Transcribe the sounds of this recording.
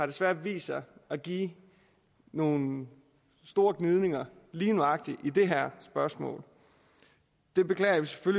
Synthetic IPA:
ɑ̈ɾ̥e̝sʋæɐ̰d̥ʋḭːsɑɪæɡ̥ḭ | no̝ːn | sd̥o̝ːɐɡ̥nið̞ˠne̝ŋɐliːnuɑ̈ɡ̥̚d̥iʔid̥e̝ɦæɐ̰sb̥ɶɐsmɔ̰̽ːl | d̥e̝b̥e̝kʰlɛ̰ːɐʋise̥føl

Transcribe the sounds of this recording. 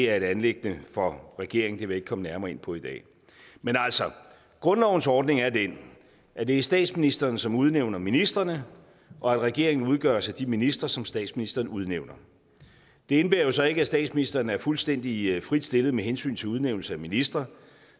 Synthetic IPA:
æɐe̝ɾ̥ænleɡ̥nəfɒ̽ʁɛɡ̥e̝ɐeŋn̩d̥e̝ʋe̝eɡ̥kʰɒ̽mənæɐmɐːe̝n̰pʰɒ̽id̥ɛ̰ː | menæl̰sɒ | ɡ̥ʁɔ̽nlɒʊn̩sɒːd̥ne̝ŋæɐd̥en | æd̥e̝æsd̥ɛ̰ːd̥sminisd̥ɐnsɒ̽muð̞ˠneʊ̰nɐminisd̥ʁɐnə | ʔɒ̽æd̥ʁɛɡ̥e̝ɐe̝ŋn̩uð̞ˠɡ̥ɶ̰ɐsæd̥iminisd̥ʁɐsɒ̽msd̥ɛ̰ːdsminisd̥ɐːnuð̞ˠneʊ̰nɐ | d̥e̝e̝nb̥e̝ːɐjo̝sɒ̽e̝ɡ̥əæsd̥ɛ̰ːd̥sminisd̥ʁɐnæɐfulsd̥en̰d̥ifʁid̥sd̥e̝lð̞̩ˠmeɦensy̰ːnt͡sʰe̝uðˠneʊ̰l̩səæminisd̥ʁɐ

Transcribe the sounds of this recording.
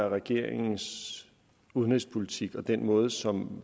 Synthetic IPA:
æɐʁɛɡ̥e̝ɐ̰eŋn̩s | uðˠnespʰo̝lit͡sʰiɡ̥ɒ̽d̥enmɔ̽ːð̞ˠsɒ̽m

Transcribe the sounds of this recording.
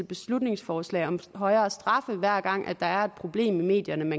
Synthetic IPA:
b̥e̝slud̥ne̝ŋsfɒːslɛ̰ːɪɒ̽mɦɒ̽ɪɐːsd̥ʁɑ̈fəʋæɐ̰ɡ̥ɑ̈ŋ̰ʔæ̥ɑ̈æɐe̝d̥̚pʰʁo̝b̥le̝̰ːmime̝̰ːd̥jɐnəmæ

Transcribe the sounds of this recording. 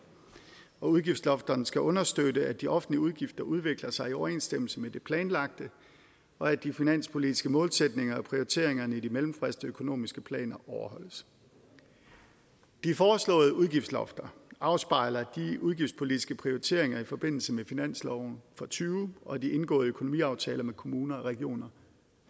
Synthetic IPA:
ɒ̽uð̞ˠɡifd̥slɒ̽fd̥ɐnsɡ̥æʔɔ̽nɐsd̥ødəæ̥d̥iʔɒ̽fn̩liuð̞ˠɡ̥ifd̥ɐʔuð̞ˠʋe̝ɡ̥lɐsɑ̈ɪiɒʊɐe̝̰ːnsd̥em̰l̩səmed̥e̝pʰlɛːnlɑ̈ɡ̥̚d̥ə | ɒ̽æ̥ifinæn̰spʰo̝lid̥ʰisɡ̥əmɔ̽ːlsed̥ne̝ŋɐɒ̽pʰʁioit͡sʰe̝ɐ̰eŋɐnəidimelm̩fʁɛsd̥əøkʰo̝no̝̰ːmisɡ̥əpʰlɛ̰ːnɐʔɒʊɐɦɒ̽l̰əs | d̥ifɒːslɔ̰̽ːð̞ˠəʔuð̞ˠɡ̥ifd̥slɒ̽fd̥ɐɑ̈ʊsb̥ɑ̈ɪlɐd̥iuð̞ˠɡifd̥spʰo̝lidʰi̥sɡ̥əpʰʁioʁit͡sʰe̝̰ɐ̰e̝ŋɐifɒ̽b̥e̝n̰l̩səmefinæn̰slɒʊn̩fɒt͡sʰyːʊɒ̽d̥iʔe̝nɡ̥ɔ̰̽ːð̩ˠøkʰo̝nomḭːɑ̈ʊt͡sʰɛ̰ːlɐmekʰo̝muːnɐɒ̽ʁɛɡ̥io̝̰ːnɐ

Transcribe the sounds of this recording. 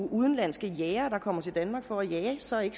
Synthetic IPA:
ʔuð̞ˠən̩læn̰sɡ̥əjɛːɐd̥ɑ̈kʰɒ̽m̰ɐt͡sʰe̝d̥ænmɑ̈ɡ̥fɒæjæsɒ̽e̝ɡ̥

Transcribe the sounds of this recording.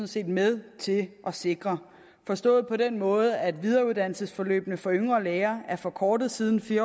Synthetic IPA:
nse̝̰ːd̥meðˠt͡sʰe̝ʔɒ̽se̝ɡ̥ʁɐ | fɒ̽sd̥ɔ̰̽ːð̞̩ˠpʰɒ̽d̥en̰mɔ̽ːð̞̩ˠæd̥ʋið̞ˠɐːuðˠd̥æn̰l̩səsfɒ̽lø̰ːb̥nəfɒ̽øŋɐːleːɐæɐfɒ̽kʰɒːd̥ð̩ˠsiːð̞ˠn̩fiːɐ

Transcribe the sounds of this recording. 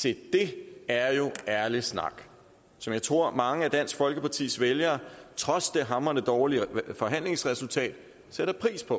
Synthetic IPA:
sʰe̝d̥e̝æɐjo̝æɐlisnɑ̰̈ɡ̥ | sɒ̽mjɑ̈ɪt͡sʰʁo̝ɐ̰mɑ̈ŋəæd̥æn̰sɡ̥fɒ̽lɡ̥əpʰɑ̈t͡sʰḭːsʋeljɐt͡sʰʁɒ̽sd̥e̝ɦɑ̈mɐnəd̥ɒːlifɒ̽ɦæn̰le̝ŋsʁɛsult͡sʰɛ̰ːd̥ | seɾ̥ɐpʰʁḭːspʰɒ̽

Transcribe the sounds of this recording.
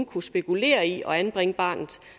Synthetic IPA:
nkʰusb̥e̝kʰule̝̰ːɐiʔɒ̽ænb̥ʁeŋəb̥ɑ̈ːnð̩ˠ

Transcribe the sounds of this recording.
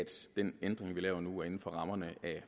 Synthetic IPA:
d̥d̥enend̥ʁeŋʋilɛ̰ːʊɐnuæɐe̝n̩fɒ̽ʁɑ̈mɐnəʔæ

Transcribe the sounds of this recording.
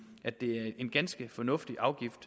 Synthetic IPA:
ʔæ̥e̝æɐe̝nɡ̥ænsɡ̥əfɒ̽nɔ̽fd̥iʔɑ̈ʊɡ̥ifd̥

